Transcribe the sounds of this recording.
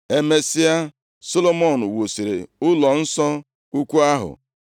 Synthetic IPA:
e˦me˦si˦a˦ | so˦lo˦mɔ˦˨n̩˨wo˨si˨ɾḛ˨ʊ˦lɔ˨n̩˦sɔ˦ | u˦kʷu˦a˦ɦʊ̰˨

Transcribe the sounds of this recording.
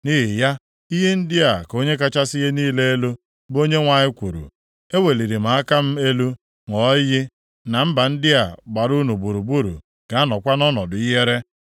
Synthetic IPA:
ni˦ɦi˨ja˦ | i˦ɦe˦n̩˦dɪ˦a˨ko˦ɲe˦ka˦t͡ʃa˦sɪ˦ɣe˦niː˦le˦e˦lu˦ | bo˦ɲe˦ŋʷa˨ɲɪ˦kʷu˨ɾṵ˨ | e˦we˨li˨ɾi˨ma˨a˦ka˦m̩˦e˦lu˦ | ŋɔ˨˦jɪ˦ | na˨m̩˦ba˨n̩˦dɪ˦a˨ɡ͡ba˨ɾu˦nu˨bu˨ɾu˨bu˦ɾṵ˨ | ɡ̥a˨a˦nɔ˨kʷa˦nɔ˦nɔ˨dʊ˨i˦ɦe˦ɾe˦

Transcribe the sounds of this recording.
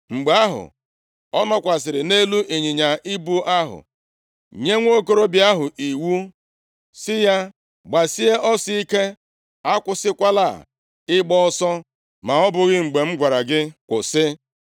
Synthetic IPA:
ŋ͡m̩˨ɡ͡ba˦ɦʊ̰˨ | ɔ˦nɔ˦kʷa˨s̬ɪ˨ɾɪ˨ne˦lu˦ʔe˨ɲi˨ɲa˨ʔi˦bu˦ʔa˦ɦʊ̰˨ | ɲe˦ŋʷ˦o˦ko˦ɾo˦bi˨˦a˦ɦʊ˨ʔi˨wu˦ | sɪ˦ja˦ | ɡ͡ba˨si˦e˦ʔɔ˦si˦i˦ke˦ | a˦kʷʊ˦sɪ˦kʷa˦la̰˦˨ | ɪ˦ɡ͡bɔ˦ɔ˦sɔ˦ | ma˨ɔ˦bʊ˨ɣɪ˦ŋ͡m̩˨ɡ͡be˨ŋ͡m̩˦ɡʷa˨ɾa˨ɡɪ˦kʷʊ˨sɪ˦

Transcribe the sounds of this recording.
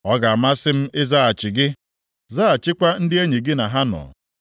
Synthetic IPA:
ɔ˦ɡa˨a˨ma˦sɪ˦m̩˦ɪ˦za˦a˨t͡ʃɪ˨ɡɪ˦ | zaː˦a˨t͡ʃɪ˦kʷa˦n̩˦dɪ˦e˦ɲe˨ɡɪ˦na˨ɦa˦nɔ̰ː˨

